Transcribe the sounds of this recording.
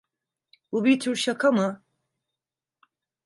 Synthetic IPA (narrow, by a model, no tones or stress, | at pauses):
bubit̪ʰyɾʃakʰamɨ